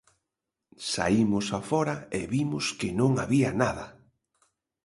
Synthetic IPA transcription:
sa̰imʊsafɔɾɐɪβimʊskɪnõŋaβiɐnaðɐ

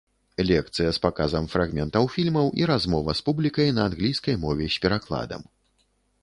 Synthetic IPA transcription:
lʲɛkt̪sɨjɐspakazɐmfɾaɣmʲɛnt̪ɐwfʲilʲmɐwʔiɾazmɔvɐspublʲikɐjnɐːnɣlʲijskɐjmɔvʲɛsʲpʲɛɾaklˠa̰d̪ɐ̰m

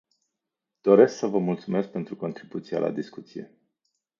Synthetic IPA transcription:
d̪̥o̞ɾe̞sksəvəmult̪sume̞sk̚pe̞nt̪ɾuko̞nt̪ɾibut̪sijela̰d̪iskut̪sije̞̰

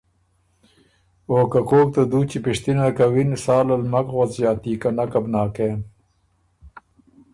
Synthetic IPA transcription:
oːkakoːk̚t̪ad̪uːt͡ɕipiʂt̪inakawinsaːlɐlmɐkwot͡sjaːt̪iːkanakɐbnaːkeːn

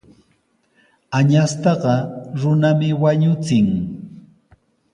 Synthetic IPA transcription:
aɲast̪ɑɢɑɾʊnamɪwaɲʊt͡sɪŋ

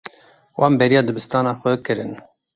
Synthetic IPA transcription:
wʔɑːmbɛɾijɑːd̪ɨbɨst̪ɑːnɑːxʷɛkɨɾɨn

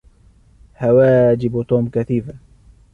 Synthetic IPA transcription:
hawaːd͡ʒɪbt̪ˤuːmkaθiːfa

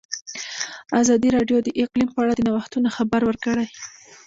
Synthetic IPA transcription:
azɑd̪iɾɑɖjod̪əʔɪqlimpəaɽad̪ənawaxt̪unaxabaɾwəɾkəɽaj

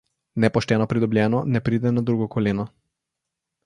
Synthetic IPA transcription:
nɛpɔʃt̪ɛnɔpɾid̪ɔblʲɛnɔnɛpɾid̪ɛnad̪ɾuɡɔkʰɔlɛnɔ

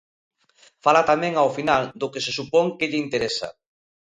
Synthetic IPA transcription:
falat̪amɛ̃ŋawfinald̪ʊkɪsɪsupɔŋkɪʎɪint̪eɾesɐ̰

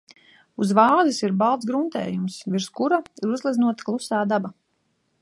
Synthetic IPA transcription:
uzvaːzisiɾbalˠt̪sɡɾunt̪ɛ̰ːjumsviɾskuɾaiɾuzlˠid̪znuɔt̪ḁklˠusaːd̪aba

